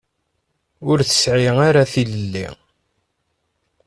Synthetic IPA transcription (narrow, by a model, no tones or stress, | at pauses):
ʊɾθə̥sʕiaɾaθiləlːḭ